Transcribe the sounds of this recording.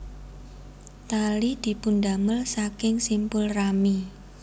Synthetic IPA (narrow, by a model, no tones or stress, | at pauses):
t̪alid̪̥i̤pund̪aməlsakɪŋsimpʊlrami